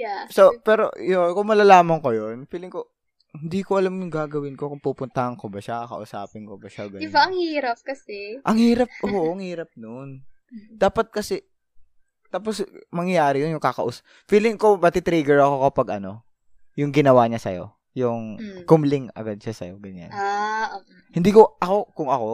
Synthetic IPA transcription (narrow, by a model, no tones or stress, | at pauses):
sopɛːɾo̞̰jokʊŋmɐlaːlaːmɐŋkojonfiːlɪŋko | hɪnd̪iːkoʔɐlamjʊŋɡaːɡɐwɪnkokʊŋpuːpʊnt̪ɐhɐŋkobɐʃakɐ̰ʔʊsa̰ːpɪnkobɐʃaɐɡɐdɪbaʔɐŋhiːɾɐp̚kɐsɛʔɐŋhiːɾɐp̚ʔoːʔʔɐŋhiːɾɐp̚non | d̪̥aːpɐt̪̚kɐsɛ | t̪aːposmɐŋjɐjaːɾɪjonjʊŋkakɐʔʊs | fiːlɪŋkobɐt̪it̪ɾiːɡɛɹʔɐko̞kɐpɐɡʔɐno̞ | jʊŋɡɪnɐwaːɲasɐ̰jo̞̰ | jʊŋkʊmlɪŋɐ̰ɡad̪̚ʃasɐ̰jo̞ɡɐɲa̰na | hɪnd̪iːkoʔɐko̞kʊŋɐko̞